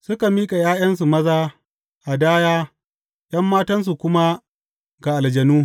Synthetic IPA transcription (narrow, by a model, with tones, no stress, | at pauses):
sʊ˦ka˨miː˦kʼa˨jaː˦jɐ˦ns̬u˨mɐ˦zaː˦ | ʔa˨daː˦jaː˦ | j̰ɐ˦mːaː˦tɐ˦ns̬u˨kʷʊ˦ma˦ | ɡa˨ʔa˨ld͡ʒɐ˨nuː˦